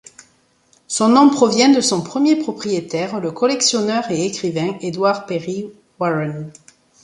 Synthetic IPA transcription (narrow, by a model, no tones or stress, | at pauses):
sɔ̃nɔ̃pχɔvjɛ̃d̪əsɔ̃pχəmjepχɔpχijet̪ɛʁləkɔlɛksjɔnœʁeekχivɛ̃ed̪waʁpeʁi | waʁɛn